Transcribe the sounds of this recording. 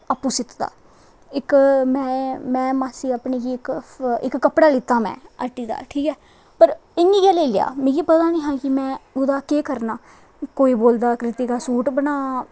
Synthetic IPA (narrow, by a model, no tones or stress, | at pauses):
əpːuːsɪt̪d̪a̰ː | ɪkmɛ̃ːmɛ̃ːmaːsiːapneːɡiːɪkɪkːəpɽaːlɪt̪ːaːmɛ̰̃ːə̰ʈiːd̪a̰ːʈʰiːkɛː | pəɾɪniːɡɛːleːlɪja̰ːmẽːɡiːpət̪aːnĩːɦãːkɪmɛ̃ːʊd̪aːkeːkəɾnaː | koːiːboːld̪aːkɾɪt̪iːɡaːsuːʈbənaː